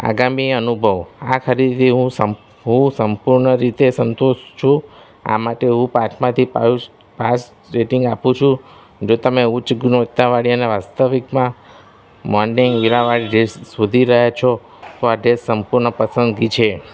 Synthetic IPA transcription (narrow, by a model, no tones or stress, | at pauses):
a̰ɡamiənubʱəʋakʰəɾid̪t̪iɦũə | ɦũsəmpuɾɳəɾit̪esənt̪oʃt͡ʃʰũ | a̰maʈeɦũpat͡ʃʰmãt̪ʰipa̰u | pas | ɾeʈɪŋɡapũt͡ʃʰũ | d͡ʒot̪əmeʊt͡ʃɡnʋət̪ːaʋaɽiəneʋast̪əʋikmã | mɔɾniŋɡiɭaʋaɭiɖesːud̪ʱiɾəɦat͡ʃʰo | t̪oaɖesːəmpuɾɳəpəsənd̪ɡit͡ʃʰe